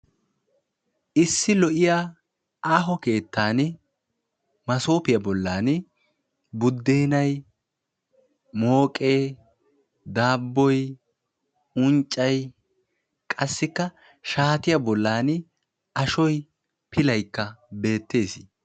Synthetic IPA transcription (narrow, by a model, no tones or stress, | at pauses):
ʔɪsːɪlɔʔɪja | aːɦɔke̞ːt̪ːaːn | mɐso̞ːpɪjɐbɔlːaːn | bʊd̪ːeːnɐj | mo̞ːkʼeː | d̪aːbːɔj | ʊnt͡ʃʼːɐj | kʼɐsːɪkːɐ | ʃaːt̪ɪjɐbɔlːaːn | ɐʃɔj | pʰɪlɐjkːɐbe̞ːt̪ːe̞ːsɪ